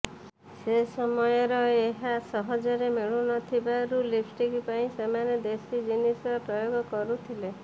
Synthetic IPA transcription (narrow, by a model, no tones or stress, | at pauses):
sesɔmɔjɔɾɔeɦasɔɦɔd͡ʒɔɾemeɭunɔt̪ʰibaɾulipʰʈikipaĩsemaned̪esid͡ʒinisɔɾɔpɾɔjoɡɔkɔɾut̪ʰile